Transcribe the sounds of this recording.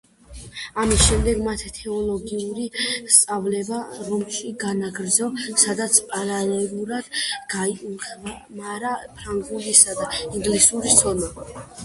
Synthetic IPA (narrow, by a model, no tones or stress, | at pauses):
amisʃɛmd̪ɛɡmat̪ʰit̪ʰɛɔlˠɔɡiuɾist̪sʼavlɛbaɾɔmʃiɡanaɡɾd̪zɔsad̪at̪sʰpʼaɾalɛlˠuɾad̪̥ɡ̥aiuχʰvamaɾapʰɾaŋɡuɡisad̪aiŋɡlisuɾisʰɔna